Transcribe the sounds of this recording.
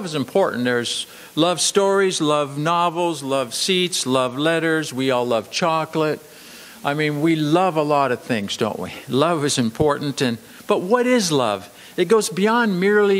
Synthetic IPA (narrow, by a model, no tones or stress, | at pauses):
vəzɨ̃mpʰɔɹʔn̩ðə˞z̥ | lʌv̥stɔɹizlʌvnɑvl̩ˠzlʌv̥sitslʌvlɛɾə˞zwiɔlˠʌv̥t͡ʃʰɑklət̚ | aɪmĩnwilʌvəlɔɾʌv̥θɪ̃ŋzdõʊ̃nʔ̚wḭlʌvɨzɨ̃mpʰɔɹʔn̩tɨ̃n | b̥ʌt̚wʌɾɪzlʌ̰v | ɨt̚ɡ̥oʊzbiɑ̃nmɪɹli